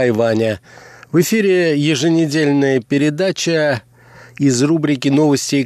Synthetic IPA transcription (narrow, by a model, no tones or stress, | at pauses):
jvanʲəvɨfʲiɾʲɪjɪʐɨnʲɪdʲelʲnəjəpʲɪɾʲɪd̪at͡ɕə | ɪzrubɾʲɪkʲɪno̞vəsʲtʲɪj